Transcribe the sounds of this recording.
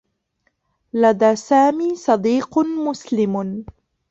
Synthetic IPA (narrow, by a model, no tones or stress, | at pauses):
lad̪aːsaːmiːsˤɑd̪iːqmʊslɪm